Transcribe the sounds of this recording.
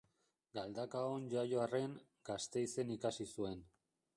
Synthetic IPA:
ɡald̪akaonʝajo̞are̞ŋ | ɡast̪e̞ise̞nikasisue̞n

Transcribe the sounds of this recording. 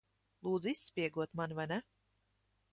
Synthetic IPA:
lˠuːd̪zisːpʲiɛɡuɔt̪manvajnɛ

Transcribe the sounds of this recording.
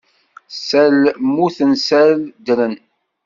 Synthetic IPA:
sælmuθənsæld̪lən

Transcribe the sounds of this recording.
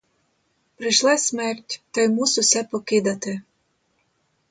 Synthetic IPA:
preʃlæsmerʲtʲt̪ɤjmususæpoked̪ɑt̪e

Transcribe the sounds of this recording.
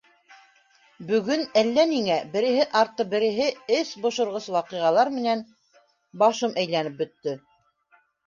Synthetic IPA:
bɵ̆ɡɵnælːæniŋæbɘ̆ɾɘ̆ɦɘʔɑɾt̪ːɤbɘ̆ɾɘ̆ɦɘɘsbŏʃŏɾʁɤswɑqiʁɑlˠɑɾmɘ̆næn | bɑʃɤmʔæjlænɘp̚bɵ̆t̪ːɵ

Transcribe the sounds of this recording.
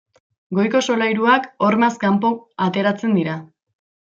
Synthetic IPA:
ɡo̞jko̞so̞lajɾuako̞ɾmaskampo̞kat̪e̞ɾat͡se̞nd̪iɾa

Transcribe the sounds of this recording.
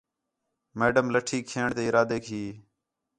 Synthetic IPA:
meːɖəmləʈʰiːkʰeːɳt̪eːɪɾaːd̪eːkʰiː

